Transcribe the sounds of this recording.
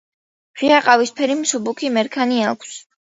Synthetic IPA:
ʁiaqʼavispʰɛɾimsubukʰimɛɾkʰaniakʷʰs

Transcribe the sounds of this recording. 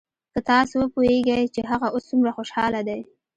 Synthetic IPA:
kət̪ɑsowəpoheɡajt͡ʃeɦaɣaʔosːumɾaxoʃɑlad̪aj

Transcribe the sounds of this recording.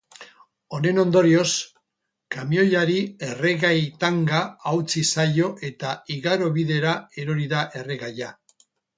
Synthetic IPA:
o̞ne̞no̞nd̪o̞ɾio̞s | kamio̞jʎaɾie̞re̞ɣajt̪aŋɡaːwt͡sisajo̞ʔe̞t̪aiɣaɾo̞βiðe̞ɾae̞ɾo̞ɾiðaʔe̞re̞ɣaja

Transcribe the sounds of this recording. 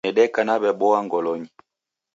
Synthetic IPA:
ɛɗɛkanabɛɓɔaŋɡɔlɔɲi

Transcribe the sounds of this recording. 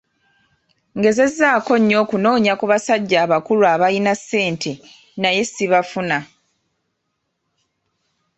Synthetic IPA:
ŋɡe̞ze̞zːaːko̞ɲːo̞ːkuno̞ːɲakuβasaɟːaːβakuluaβajinasːe̞ːntʰe̞ | naje̞siβafuna

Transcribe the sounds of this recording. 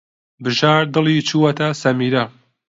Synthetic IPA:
bɨʒaːɾd̪ɨlˠiːt͡ʃʰuːwɐt̪ʰɐsɐmiːɾɐ

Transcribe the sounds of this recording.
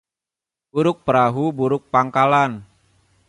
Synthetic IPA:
buɾʊk̚pəɾaɦubuɾʊk̚paŋkalan

